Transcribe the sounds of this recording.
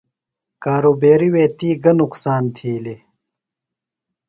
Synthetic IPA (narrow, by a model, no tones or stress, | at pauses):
kaːɾoːbeːɾiweːt̪iːɡɐnuqsaːnt̪ʰiːle